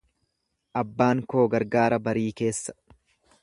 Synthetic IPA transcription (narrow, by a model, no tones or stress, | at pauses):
ʔɐbːaːŋko̞ːɡɐɾɡaːɾɐbɐɾiːke̞ːsːɐ̥